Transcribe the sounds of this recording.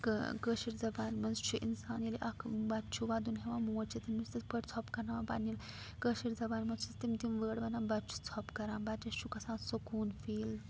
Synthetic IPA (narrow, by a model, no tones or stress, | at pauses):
kkəʃiɾd͡zɐbaːnmɐnst͡ʃʰuʔḭnsaːniliʔɐkʰbɐtt͡ʃʰuʋad̪unɦeʋãmoːt͡ʃʰit̪imist̪ispəʈt͡sʰɔpkɐnaʋãba̰nil | kəʃiɾd͡zɐbaːnmɐnt͡ʃʰit͡st̪imt̪imʋəːɽʋɐnãbɐt͡ʃʰu̥t͡sʰɔːpkɐɾãːnbɐt͡ʃɐʃʰukɐsãːnsɐkuːnfiːl